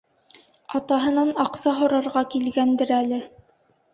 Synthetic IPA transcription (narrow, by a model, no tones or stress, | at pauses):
ɑt̪ɑɦɤ̆nɑnɑqsɑɦŏɾɑɾʁɑkilɡænd̪ɘɾælɘ